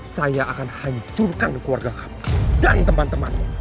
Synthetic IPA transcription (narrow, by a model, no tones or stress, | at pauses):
sajaʔakanhaɲt͡ʃʊrkankəluwarɡakḁpḁdant̪əmant̪əman